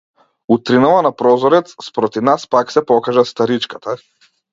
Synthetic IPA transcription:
ut̪ɾinalˠanapɾɔzɔɾɛt̪sspɾɔt̪ivnaspaksɛpɔkaʒast̪aɾit͡ʃkat̪ʰa

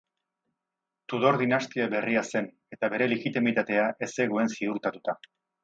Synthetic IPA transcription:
t̪uðo̞ɾðinast̪iabe̞riase̞n | e̞t̪aβe̞ɾe̞leɣit̪imit̪at̪e̞aʔe̞se̞ɣoe̞nsiuɾt̪at̪ut̪a

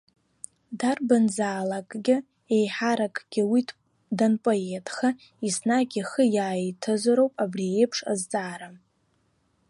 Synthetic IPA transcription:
darbanzaːlakʼɡʲɪ | e̞jħaɾakʼɡ̥ʲɪwit | danpʼoetʼʰχa | isnaɡʲiχəjaːtʰɨzaɾowpʼabriejpʰʂa̰zt͡sʼaːɾa

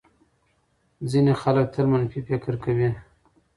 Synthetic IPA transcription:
zinexalak̚t̪ʰəlmanfifɪkəɾkawi

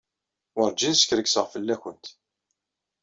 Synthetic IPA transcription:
ʊɾd͡ʒiðsə̥çɾəksəʁfəlːæçənt̪

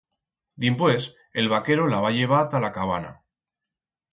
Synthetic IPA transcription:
d̪impwe̞s | e̞lβ̞ake̞ɾolaβ̞aʎe̞β̞at̪alakaβ̞a̰na̰

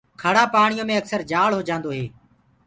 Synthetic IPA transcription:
kʰəɽaːpaːɳ̃ɪijõːmẽːəksəɾd͡ʒaːɭɦoːd͡ʒãːnd̪oːɦeː

